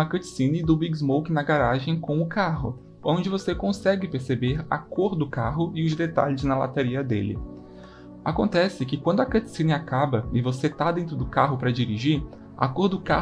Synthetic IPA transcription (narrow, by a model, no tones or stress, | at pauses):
ɐkɐt͡ʃ̪sĩnɪd̪ʊbiɡzmowkɪnɐɡaɾaʒẽj̃kõʊkaɦʊ̰ | õnd͡ʒɪvosekõsɛɡɪpeɾsebeɾɐ̰koɾd̪ʊkaɦʊɪʊzd̪et̪a̰ʎɪznɐla̰t̪aɾiɐd̪ḛlɪ̰ | a̰kõnt̪ɛsɪkɪkwɐ̃nd̪ʊɐkɐ̃t͡ʃi̥sĩnɪakabɐɪvoset̪ad̪ẽnt̪ɾʊd̪ʊkaɦʊpɾɐd͡ʒiɾiʒiɾ | a̰koɾd̪ʊka